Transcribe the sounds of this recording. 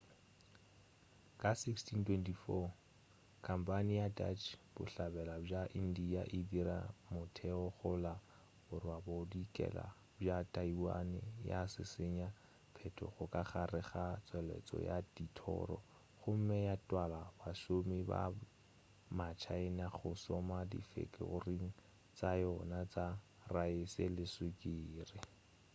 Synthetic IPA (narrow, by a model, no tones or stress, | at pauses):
kʼasikstʰintʰwɛntʰifɔ | kʼʰam̩pʼanijata̰t͡ʃʰb̥ʊɬabɛlab͡ʐaʔindijaʔɪdiɾa̰mʊtʰɛɔχʊla | ʊrwaboʊdikʼɛ̰la̰ | b͡ʐatʼaiwa̰nɪ̰jasɪseɲa | pʰɛtʰɔ̰χʊkʼaχarɪχat͡sʼwɛlɛ̰t͡sʼɔ̰jaditʰɔ̰ːrɔ̰ | χʊm̩mɪjatʼwalabaʃomɪba̰ | mat͡ʃʰaɪnaχʊsɔmadḭfḛkʼɪ̰ʊ̰riŋ̩ | t͡sajɔnat͡sa | raɪsɪlɪswɪkɪːrɪ